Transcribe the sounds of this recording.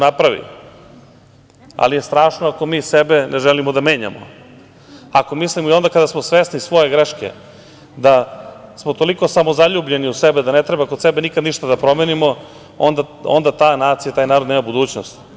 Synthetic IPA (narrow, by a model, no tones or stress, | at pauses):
napɾaʋḭ | a̰lije̞st̪ɾaːʃnoako̞miːsebenʔeʒelimod̪ame̞ːɲa̰mo̰ | ako̞mislimoio̞nd̪akad̪asmosʋeːsnisʋo̞je̞ɡɾeʃkḛ | d̪asmot̪o̞liko̞samo̞zaʎuːbʎe̞niusebed̪anet̪ɾebakod̪sebenikad̪niʃt̪ad̪apɾo̞menimo̞ | ond̪a | o̰nd̪at̪aːnaːt̪sijat̪aːjnaːɾod̪neːmabud̪uːt͡ɕnost̪